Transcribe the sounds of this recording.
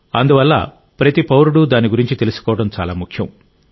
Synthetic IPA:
ɐnd̪uʋɐlːɐ̰ | pɾɐt̪ipɐwɾuɽud̪aːniɡuɾiɲt͡ʃit̪e̞lisu̥kɔːʋɐɽɐmt͡ʃa̰ːlaːmukʰjɐm

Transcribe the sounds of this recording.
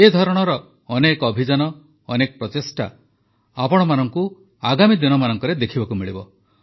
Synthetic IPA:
ed̪ʱɔɾɔɽ̃ɔɾɔː | nekɔbʱid͡ʒanɔː | nekɔpɾɔt̪esʈa̰ | apɔɽ̃ɔmanɔŋku | aɡamid̪inɔmanɔŋkɔɾed̪ekʰibakumiɭibɔ

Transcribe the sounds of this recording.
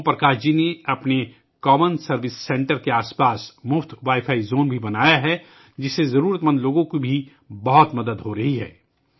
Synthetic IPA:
pɾɐkaːɾd͡ʒineɐpne | kɔːmənsɐɾʋɪsːɛ̃ːɳʈəɾkeaːspaːsmʊft̪ʰʋaːɪfʰaːizoːnbʱibɐnaːjaɦɛ | d͡ʒɪsezɐɾuːɾət̪mə̃nd̪loːɡõkibʱi | bɐɦɔt̪mɐd̪əd̪ɦoɾɐɦiɦɛ̰ː

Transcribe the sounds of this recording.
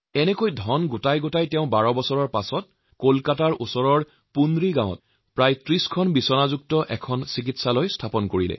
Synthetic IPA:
ɛnɛkojdʱɔnɡutajɡotajtɛʊ̃baɹɔbɔsɔɹɔɹpasɔt̚ | kolkataɹʔusɔɹɔɹ | pundɹiɡãw̃ɔ̰t | pɹajtɹiskʰɔnbisɔnazuk̚tɔʔɛkʰɔnsik̬itsalojstʰapɔnkoɹilɛ̰

